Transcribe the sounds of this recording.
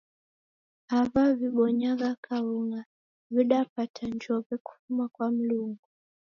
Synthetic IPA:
havaviɓɔɲaɣakʰauŋa | viɗapatʰaɲd͡ʒɔvɛku̥fumakwam̩luŋɡu

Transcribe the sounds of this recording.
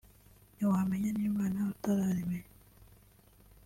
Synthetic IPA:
ɲowaːmeɲaniomaːnaβutaɾaɾime

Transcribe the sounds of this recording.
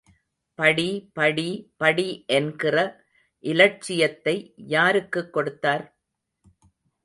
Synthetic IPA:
pɐɽipɐɽipɐɽiʔɛnɡɪrɐ | ʔɪlɐʈ̚t͡ʃːɪjɐt̪ːɐɪjaːɾɯkːɯkːɔɽɯt̪ːaːɾ

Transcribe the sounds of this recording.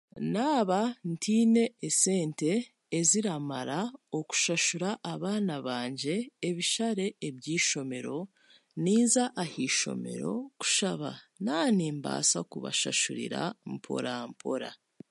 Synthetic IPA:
naːβantʰiːne̞ːse̞ːnte̞ː | ziɾamaɾao̞ku̥ʃaʃuɾaʔːβaːnaβaːɲɟe̞ːβiʃaɾe̞ːβjiːʃo̞me̞ɾo̞ | niːzaʔːhiʃo̞̰me̞̰ɾo̞̰ku̥ʃaβa̰naːniːmba̰ːsakuβa̰ʃaʃuɾḭɾa̰mpʰo̞̰ɾampʰo̞̰ɾa̰

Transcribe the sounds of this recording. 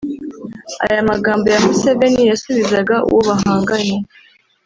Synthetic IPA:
a̰jamaɡaːmbo̞jamuseve̞nijasuβizaɡaʔṵwʔoβaɦaːŋɡaɲe

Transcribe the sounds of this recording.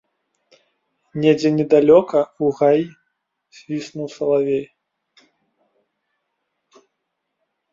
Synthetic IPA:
nʲɛd͡zʲɛnʲɛd̪alʲɔkɐuɣaji | z̥ʲvʲisnuwsɐlˠavʲej

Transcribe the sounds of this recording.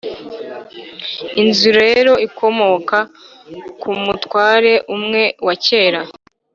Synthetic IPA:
inzuɾajee̞ɾo̞ikʰo̞mo̞ka | kumutwaːɾe̞ʔumŋe̞wace̞ːɾa

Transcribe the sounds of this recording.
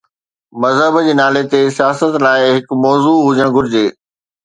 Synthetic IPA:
mɐzɦəbd͡ʑeːnaːlet̪esijaːsət̪laːɪɦɪkmɔːzuːɦʊd͡ʑəɽ̃ɡʱʊɾɪd͡ʑeː

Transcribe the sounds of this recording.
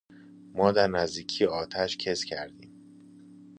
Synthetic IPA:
mɒːd̪æɾnæzd̪iːcʰijeɒːt̪ʰæʃcʰescʰæɾd̪iːm

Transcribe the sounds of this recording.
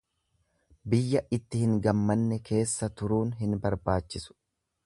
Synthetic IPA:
bɪjːɐɪt̪ːɪhɪŋɡɐmːɐnːɛkʰe̞ːsːɐt̪ʊɾuːnɦɪnbɐɾbaːt͡ʃːɪsʊ̥

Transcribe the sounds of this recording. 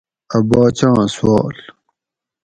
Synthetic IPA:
ɐbaːt͡ɕãːswɑːl

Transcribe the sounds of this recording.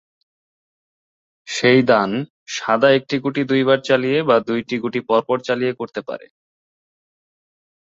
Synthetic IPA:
ʃejd̪an | ʃad̪aek̚ʈiɡuʈid̪ujbaɾt͡ɕalijebad̪ujʈiɡuʈipɔɾpɔɾt͡ɕalijekoɾt̪epa̰ɾḛ

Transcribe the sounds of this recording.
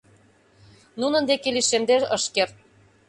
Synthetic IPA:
nunɤ̆nd̪ekeliʃemd̪eɤʃkert̪̚

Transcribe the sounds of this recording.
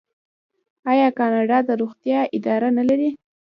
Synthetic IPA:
ɑjɑkɑnɑɖɑd̪əɾoɣt̪jɑʔɪd̪ɑɾanalaɾi

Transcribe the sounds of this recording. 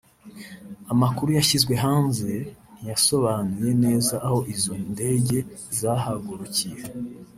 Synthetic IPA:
amakuɾujaʃizɡwe̞ɦaːnze̞jaso̞βanuje̞ne̞ːzaʔːho̞ʔizonde̞ɟe̞zahaɡuɾucije

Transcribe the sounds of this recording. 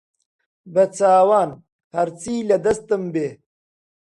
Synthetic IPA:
bɐt͡saːwaːn | hɐɾt͡siːlɐd̪ɐst̪ɐmbeː

